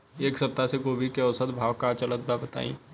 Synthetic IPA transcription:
eːksɐp̚t̪asekoːbikeɔsət̪bʱaːʋkat͡ʃələt̪̚babət̪a̰ːḭ̃ː

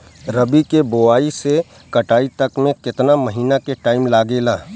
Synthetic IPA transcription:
ɾɐbikeboaːise | kɐʈaːit̪ɐkmẽkɪt̪namɐɦiːnakeʈaːɪmlaːɡeːlaː

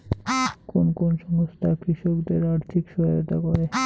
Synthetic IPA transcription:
konkonʃɔmost̪ʰakɾiʃokd̪eɾaɾt̪ʰikʃɔɾo̰t̪a̰koɾe

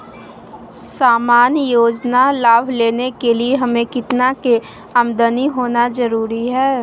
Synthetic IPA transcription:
saːmaːnjoːd͡ʒnalaːbʱleːnekelieɦɐmẽkɪt̪nake | ɐmd̪əniɦoːnazɐɾuːɾiɦɛː

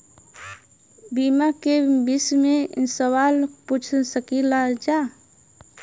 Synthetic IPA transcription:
bimakebismẽsəwaːlput͡ʃʰsəkilad͡ʒaː

